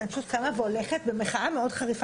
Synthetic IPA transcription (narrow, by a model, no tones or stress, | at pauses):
at͡sut̪̚kamaveoleχet̪̚bemeχaameo̞dχaʁif